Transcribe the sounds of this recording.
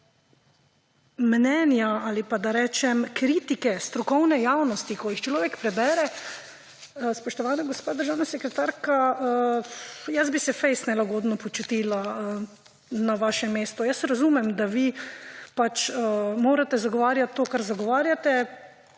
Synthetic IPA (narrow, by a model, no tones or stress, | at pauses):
mnɛːnjaalipad̪aɾɛːt͡ʃɛmkɾiːt̪ikɛst̪ɾɔkɔwnɛjaːwnɔst̪ikɔjixt͡ʃlɔːʋɛkpɾɛbɛːɾɛ | spɔʃt̪ɔʋaːnaɡospaːd̪əɾʒaːwnasɛkɾɛt̪aɾkaə | jəzbisɛfɛɪst̪nɛlaɡoːd̪nɔpɔt͡ʃut̪iːlaə | naʋaːʃɛmːeːst̪ɔjəsɾazuːmɛmd̪aʋiːpat͡ʃəmoːɾat̪ɛzaɡɔʋaːɾjat̪ːoːkaɾzaɡɔʋaːɾjat̪ɛ